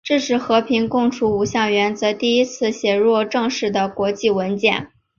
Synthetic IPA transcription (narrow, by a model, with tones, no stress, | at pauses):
ʈ͡ʂɻ̩˥˧ʂɻ̩˧˥xɤ˧˥pʰi˧˥nkʊ˥˩ŋʈ͡ʂʰu˧˥u˨˩ɕjɑ˥˩ŋɥɛ˧˥nt͡sɤ˧˥t̪i˥˩i˥t͡sʰɹ̩˥˩ɕjɛ˨˩ɻwɔ˥˧ʈ͡ʂɤ˥˧ŋʂɻ̩˥˩d̪ə˩kwɔ˧˥t͡ɕi˥˩wə˧˥nt͡ɕjɛ̰˥˩n